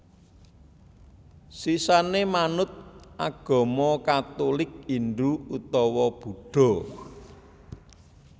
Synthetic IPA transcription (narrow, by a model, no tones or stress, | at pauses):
sisanemanʊt̪̚ʔaɡ̥ɔ̤mɔkat̪olɪk̚inɖuut̪ɔwɔb̥ṳɖ̥ɔ̤